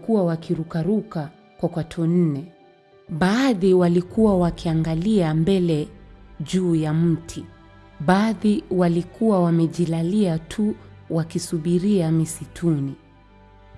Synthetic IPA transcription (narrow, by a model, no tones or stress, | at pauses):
kuwawakiɾukaɾuka | kwakwatʰun̩nɛ | ɓaːðiwalikuwawakiaŋɡaliambɛlɛʄuːjam̩tʰi | ɓaðiwalikuwawamɛʄilaliatʰu | wakisuɓiɾiamisitʰuni